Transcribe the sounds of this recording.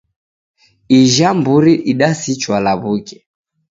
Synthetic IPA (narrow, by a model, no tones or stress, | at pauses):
iʒambuɾiʔiɗasit͡ʃwalaβukɛ